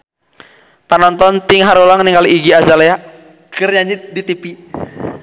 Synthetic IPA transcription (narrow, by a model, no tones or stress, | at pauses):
panɔnt̪ɔnt̪ɪŋɦaɾolaŋniŋkaliiɡiazalejaʔ | ɡ̥ərɲaɲɪt̪̚dit̪ipi